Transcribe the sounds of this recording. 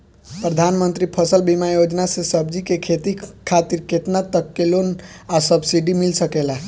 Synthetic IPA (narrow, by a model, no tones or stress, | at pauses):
pɾəd̪ʱanmənt̪ɾipʰəsəlbimajod͡ʒnasẽsəb̚d͡ʒikekʰet̪ikʰat̪iɾket̪nat̪əkːelon | asəbsiɖimilsəkela